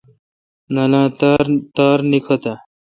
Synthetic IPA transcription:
nɐlãːt̪aɾt̪aːɾnikʰɐt̪ɐ

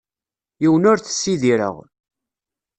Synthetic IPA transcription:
jiwənʊɾθə̥sːiðiɾə̰ʁ

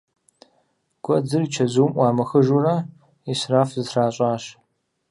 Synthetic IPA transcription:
ɡ̥ʷɔd͡zɨrit͡ʃʰɐzuːmwɑːmɐxɨʒuraː | israːfzɨsraːɕʼaːɕ

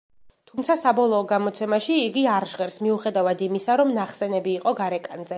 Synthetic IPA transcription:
t̪ʰumt̪sʰasabɔlˠɔːɡamɔt̪sʰɛmaʃiːɡiaɾʒʁɛɾsmiuχɛd̪avad̪imisaɾɔmnaχsɛnɛbiːqʼɔɡaɾɛkʼanzɛ

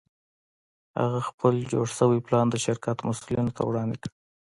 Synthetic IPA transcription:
ha̰ɣaxpʰəld͡ʒo̰ɽsəwiplɑnd̪əʃɪɾkat̪masulinot̪ʰa̰wɽɑnd̪eki

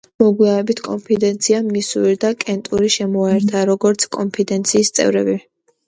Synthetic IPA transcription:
mɔɡwianɛbit̪ʰkʼɔmpʰid̪ɛnt̪sʰiamisuɾid̪akʼɛnt̪ʼuɾiʃɛmɔaɛɾt̪ʰaɾɔɡɔɾt̪sʰkʼɔmpʰid̪ɛnt̪sʰiːst̪sʼɛ̰vɾɛbi

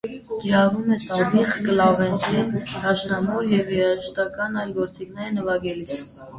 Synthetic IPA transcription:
kiɾɑvumɛt̪ɑriχkəlɑvɛnd̪ɛnd̪ɑʃnɑmɔɾjɛvjɛɾɑʒəʃt̪ɑkɑnɑjlɡɔɾt͡siknɛɾnəvɑɡɛlit͡sʰ

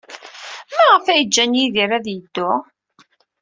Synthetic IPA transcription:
mæʁəfæjəd͡ʒːænjiðiɾæðjəd̪ːʊ

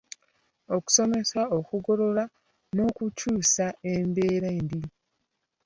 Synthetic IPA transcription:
o̞ku̥so̞me̞saokuɡo̞ɾo̞ɾa | no̞kucuːsaembe̞ːɾendi

